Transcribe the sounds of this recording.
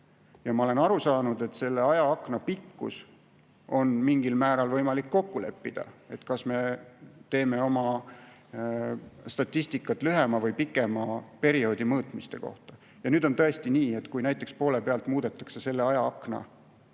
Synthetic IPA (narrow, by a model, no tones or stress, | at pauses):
jɑmɑole̞nɑɾusɑːnud̪̥e̞t̪ːˑse̞lːe̞ɑjɑɑknɑpikːṵs | ʔo̞nmiŋɡilmæːɾɑlvɤjmɑlikːo̞kːule̞̰pːid̪̥ɑ̰e̞t̪kɑsme̞t̪e̞ːme̞o̞mɑ | st̪ɑt̪ˑːist̪ikːˑɑt̪ːˑlyɦe̞mɑvɤjpikːˑe̞mɑpe̞ɾio̞ːd̪imɤːt̪mist̪e̞̰ko̞̰ht̪ɑ̥ | jɑnyːd̪̥o̞nt̪ɤest̪iniːe̞t̪kujnæjt̪ːˑe̞kspo̞ːle̞peɑlt̪muːd̪̥e̞t̪ːˑɑ̥kse̞se̞lːe̞ɑjɑɑkˑnɑ̰